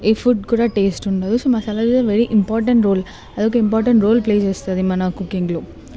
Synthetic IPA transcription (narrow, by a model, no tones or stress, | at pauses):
efuʈ̚kuːɽaʈeːsʈʊɳɖɐðɯsoːmɐsaːlɐːɾt̪ãʋɛɾiʔɪmpaːɾʈɐɳʈɾoːl | ɐðɯkːɯɪmpaːɾʈɐɳʈɾoːlpleːd͡ʒɐst̪ɐɐðimɐnaːkʊkːɪŋɡloː